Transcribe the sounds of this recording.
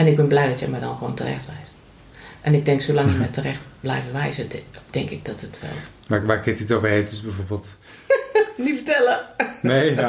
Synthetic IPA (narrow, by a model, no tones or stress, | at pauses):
ɛnɪɡ̚bɪnblɛjdɔtjɛmɛdɔnxʋoːntʰərɛ̰xtʋɛjs | ʔɛnɪɡ̚dɛŋksolaŋjəmɛjtʰərɛxtblɛ̰jfʋɛjzəd̥ɛŋkɪɡ̚dɔtətʋɛ̰lˠ | ʋaʋarkɪtitovəheːtəsbɛjvorbeːlˠt | nifətɛlˠəne